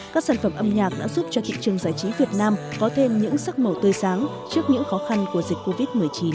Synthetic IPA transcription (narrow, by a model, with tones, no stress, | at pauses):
kaː˦˥k̚saː˧˩nfə˧˩mʔə˧mɲaː˨˩k̚ɗa̰ː˧˥zu˦˥p̚t͡ɕɔ˧t̪ʰḭ˧˨ŋt͡ɕɨ˨˩əŋzaː˧˩jt͡ɕi˨˦vi˨˩ət̚naː˧mkɔ˨˦t̪ʰe˧mɲɨ̰˧˥ŋsa˦˥k̚mə˨˩wt̪əː˧jsaː˨˦ŋ | t͡ɕɨ˦˥ək̚ɲɨ̰˧˥ŋxɔ˨˦xa˧nku˧˩əzï˨˩k̟ko˧vi˦˥t̚mɨ˨˩əjt͡ɕi˨˦n